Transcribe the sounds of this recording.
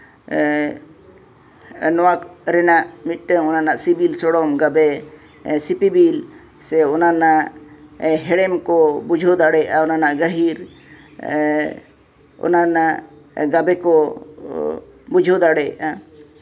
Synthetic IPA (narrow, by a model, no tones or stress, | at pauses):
nɔwakɾɛnaʔmit̪̚ˀʈəɔnanaʔsibilsɔɽɔmɡabɛ | sipibil | sɛɔnanaʔ | ɦɛɽɛmkɔbud͡ʒʱɔd̪aɽɛjaʔaɔnanaʔɡəɦiɾ | ɔ̰nanaʔ | ɡabɛkɔ | bud͡ʒʱod̪aɽɛa̰ʔa